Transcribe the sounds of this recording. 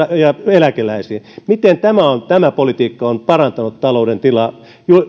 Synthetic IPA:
ɑjɑelækelæisiːmit̪ent̪æmæont̪æmæpolit̪iːkːɑonpɑrɑnt̪ɑnut̪t̪ɑlouɾent̪ilɑ | ju

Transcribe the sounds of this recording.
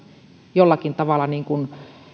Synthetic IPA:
jolːɑkint̪ɑʋɑlːˑɑniːŋkun

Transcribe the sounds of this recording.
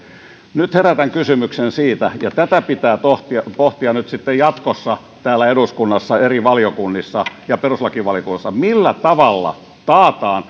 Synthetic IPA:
nyt̪heræt̪æŋkysymyksensiːt̪æjɑt̪æt̪æpit̪æːt̪oht̪iɑpoht̪iɑnyt̪sit̪ːejjɑt̪kosːɑ | t̪æːlːˑæeduskunːɑsːɑeriʋɑljokunːisːɑjɑperuslɑkiʋɑljokunːɑsːɑmilːæt̪ɑʋɑlːɑ̰ | t̪ɑːt̪ɑːn

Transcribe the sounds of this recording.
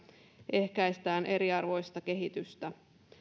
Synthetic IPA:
ʔe̞hkæjst̪æːnʔe̞ɾiɑrʋo̞jst̪ɑkeɦit̪yst̪æ

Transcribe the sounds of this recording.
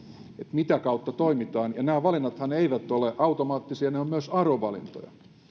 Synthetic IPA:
et̪mit̪ækɑut̪ːɑt̪oimit̪ɑːnjɑnæːʋɑlinːɑt̪hɑneiʋæt̪ːoleʔɑut̪omɑːt̪ːisiɑneomyøsɑroʋɑlḭnt̪o̰jɑ̰

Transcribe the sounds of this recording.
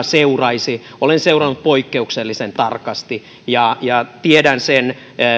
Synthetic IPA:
seurɑisi | olenseurɑnːut̪̚poikːeukselːisent̪ɑrkɑst̪i | jɑjɑt̪iedænsen

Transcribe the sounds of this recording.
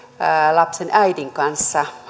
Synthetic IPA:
lɑpsenʔæidiŋkɑnsːɑ

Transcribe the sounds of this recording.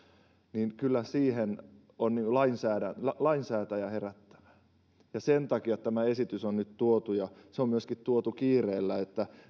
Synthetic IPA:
niːnkylːæsiːhen | onniːŋkulɑinsæːdænɑlɑinsæːt̪æjæheræt̪ːæ̥ʋæ̥ | jɑsent̪ɑkiɑt̪t̪æmæesit̪ysonnyt̪t̪uot̪ujɑseommyøskit̪t̪uot̪ukiːreːlːæet̪ːæ

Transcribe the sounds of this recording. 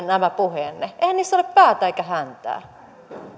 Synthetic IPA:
næmæpuheːnːeʔeihænniːst̪ːoleppæːt̪æekæhænt̪æ̰ː

